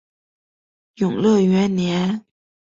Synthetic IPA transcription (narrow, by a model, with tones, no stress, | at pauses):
jʊ˨˩ŋlɤ˥˩ɥɛ˧˥nnjɛ˧˥n